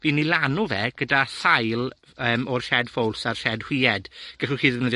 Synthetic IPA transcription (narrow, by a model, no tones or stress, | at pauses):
viːnːilanuvɛɡ̥ədaɬajlˠ | əːmɔrʃɛdfowlˠsar̥ʃɛdhw̥iːɛdɡ̥ɛlχuχiːðəvnəð